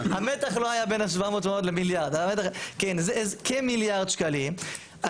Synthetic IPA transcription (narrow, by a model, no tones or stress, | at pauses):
amet̪aχlohajabenaʃ̬vaamoːtmeot̪lemiljaʁd̪aamet̪aχkenzezkemiljaʁd̪ʃkalim | a